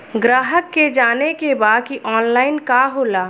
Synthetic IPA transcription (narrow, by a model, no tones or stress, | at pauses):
ɡɾaːɦəkːed͡ʒaːnekebaːd̪̚kiʔɔːnlaːɪnkaɦoːlaː